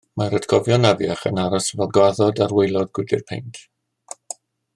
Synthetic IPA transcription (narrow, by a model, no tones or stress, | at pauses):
maɾətʰkʰɔvjɔnaðjaχə̰naɾɔsvɛlˠɡwaðɔdarwejlˠɔðɡ̥wɪdɪ̰rpʰḛjnkʰ